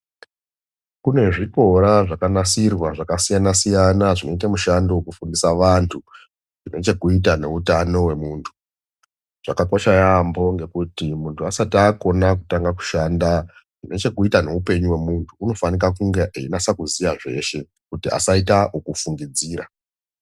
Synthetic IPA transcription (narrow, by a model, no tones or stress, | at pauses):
kune̞ʐipo̞ɾaʐakanasirwaʐakasijanasijanaʐino̞it̬amuʃandokufundisaʋantʰu | ʐine̞t͡ʃe̞kuit̬ane̞utano̞we̞muːntʰu̥ | ʐ̥akakoʃajambo̞ŋɡe̞kutimuntʰuasatiako̞nak̬utaŋɡaku̥ʃaːnda | ʐine̞t͡ʃe̞kuitane̞upe̞ɲuwe̞muntʰuːno̞fanikakuŋɡe̞ʔainasakuzijaʐe̞̰ʃe̞ | kutia̰saitaʔukufuŋɡid͡ziːɾa̰